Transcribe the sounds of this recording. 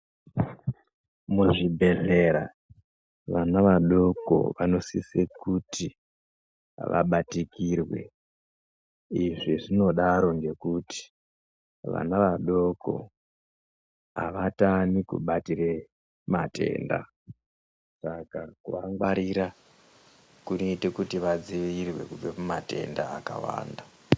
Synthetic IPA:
muʐibʱe̞ɮe̞ɾa | ʋanaʋaɗo̞ko̞̰ʋano̞sisekutʰi | ʋʔa̰ɓatikiːrwe̞̰ | iʐiʐino̞ɗaɾo̞ŋɡe̞kuti̥ | ʋa̰naʋaɗo̞ko̞̰ | ɦa̰ʋatanikṵɓatire | mate̞̰ːnda̰ | sakakuʋaŋɡwaɾiɾa | kunoitekutiʋad͡ziʋirwe̞̰kub͡vemumate̞̰ndaːka̰wa̰ːnda

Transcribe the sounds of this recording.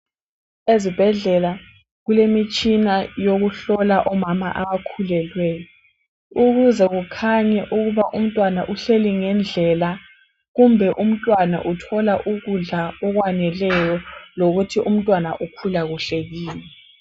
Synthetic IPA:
ezib̥ʱɛɮɛla | ɣulemit͡ʃʼinajoɣuɬɔlaʔɔmama̰ʔaβakʰulɛlwɛjɔ | uɣuzɛɣukʰaɲɛʔuɣuβaʔum̩tʼwanaʔuɬeliŋɛnd͡ɮʱɛla | ɣumbʱɛʔum̩tʼwana̰ʔutʰɔlaʔuɣuɮaɔɣwanɛlɛjɔloɣutʰiʔum̩tʼwanaʔukʰulaɣuɬeɣiːnɛ

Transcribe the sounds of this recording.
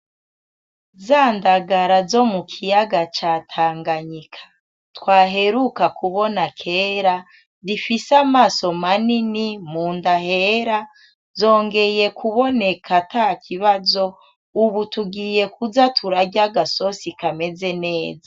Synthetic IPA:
zaːndaɡaɾazo̞mukʰijaɡat͡ʃaːtʰaːŋɡaɲikʰḁ | twaːɦe̞ɾukakʰuβo̞nakʰe̞ːɾa | difisamaːso̞maninimuːndaheɾa | zo̞ːŋɡe̞je̞kuβo̞ne̞kʰatakʰiβazo̞ | uβutuɡiːje̞kuzatʰuɾaɟaɡaso̞sikame̞ze̞ne̞ːza

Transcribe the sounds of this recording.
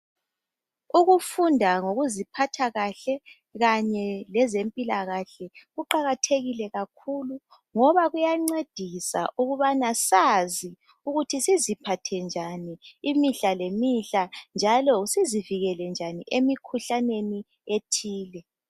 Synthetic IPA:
uɣufundʱaŋoɣuzipʰatʰaɣaɬɛ | ɣaɲɛlɛzempʼilaɣaɬɛɣuǃaɣatʰeɣilɛɣakʰulu | ŋɔβaɣujaŋ͡ǀed̥ʱisa̰ʔuɣuβanasazi | uɣutʰisizipʰatʰɛnd͡ʒʱaniimiɬalemiɬand͡ʒʱalɔsiziviɣɛlɛnd͡ʒʱanḭʔemikʰuɬaneni | etʰiːlɛ

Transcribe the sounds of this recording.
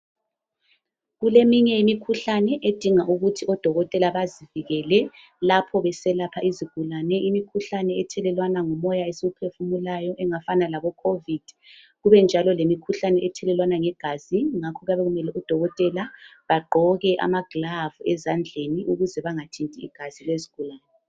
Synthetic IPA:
ɣulemiɲɛimikʰuɬanɛʔed̥ʱiŋaʔuɣutʰiɔd̥ʱɔɣɔtʼɛlaβaziviɣɛlɛ | lapʰɔβɛsɛlapʰaʔiziɡ̥ʱulanɛimikʰuɬanɛɛtʰɛlɛlwanaŋɔmɔjaesiɣupʰefumulajɔʔɛŋafanalaβɔkʰovid̥ʱi | ɣuβɛnd͡ʒʱalɔlemikʰuɬanɛɛtʰɛlɛlwanaŋɛɡ̥ʱaziŋakʰɔɣaβɛɣumɛlɛud̥ʱɔɣɔtʼɛlaβaɡ͡ǃʱɔɣɛʔa̰maɡ̥lavuɛzand͡ɮʱeniʔuɣuzɛβaŋatʰintʼiḭɡ̥ʱaz̥ilweziɡ̥ʱulaːnɛ

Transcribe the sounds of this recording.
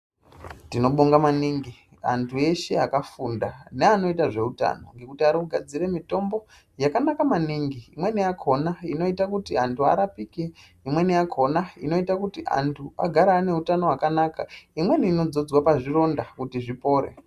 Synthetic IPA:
tino̞ɓoŋɡamaniːŋɡi | a̰ntʰue̞ʃe̞akafunda̰neano̞itaʐe̞uta̰no̞̰ŋɡe̞kutiaɾuɡʱad͡ziɾe̞mito̞mbo̞ | jakanakamaniŋɡiːmwe̞nijakʰo̞naino̞itakutiantʰua̰ɾapiːke | imwe̞niakʰo̞naino̞itakutiʔa̰ntʰua̰ɡʱaɾane̞utano̞wakanaka̰imwe̞niino̞d͡zo̞d͡zwapaʐiro̞ndakutiʐipo̞ːɾḛ

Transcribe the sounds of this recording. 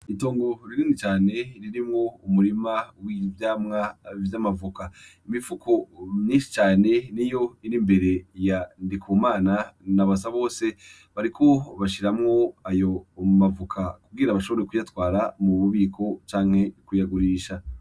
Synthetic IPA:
ito̞ːŋɡo̞ɾiɾiːndit͡ʃaːne̞ɾiɾimŋo̞umuɾimawivjaːmŋavjamavukaimifukʰo̞mɲiːnʃi̥t͡ʃaːne̞nijo̞iɾimbe̞ɾe̞jandikʰumaːnanaβasaβo̞ːse̞ | βaɾikʰo̞βaʃiɾamŋo̞ajo̞mavukʰakuɡiɾaβaʃo̞βo̞ɾekujatwaːɾamuβuβiːkʰo̞t͡ʃaːŋ̥he̞kujaɡuɾiːʃa

